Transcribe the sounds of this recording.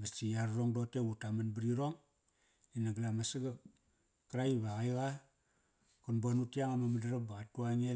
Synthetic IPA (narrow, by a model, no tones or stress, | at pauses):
bat͡ʃijaɾroŋdoteutamanbiɾiɾoŋ | inaɡalamasaɡa | kɾaiβaɣajɣa | konbonutiaŋamamadaɾap̚baɣatuaŋe